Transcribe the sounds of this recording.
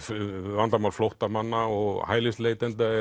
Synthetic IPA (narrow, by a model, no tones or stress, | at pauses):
fvant̪amawlflowht̪amanːaɔɣhaːjlɪst̪lejt̪ɛnt̪aɛ